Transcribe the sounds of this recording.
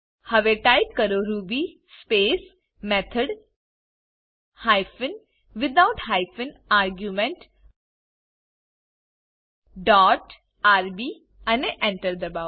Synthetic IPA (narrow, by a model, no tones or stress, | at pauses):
hɐʋeːʈaːjp̚kɐɾoɾuːbispeːs | mɛt̪ʰəɖ | hajfɪn | ʋɪd̪aʊʈhaːɪfɪnaːɾɡjumẽɳʈ | ɖɔːʈ | aːɾbiː | ɐneʔɛ̃ɳʈəɾd̪ɐba